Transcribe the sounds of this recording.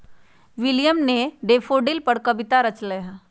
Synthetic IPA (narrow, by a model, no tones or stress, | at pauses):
ʋɪljəmneɖeːfʰoːɖɪlpɐɽkɐbɪt̪aɾɐt͡ʃleja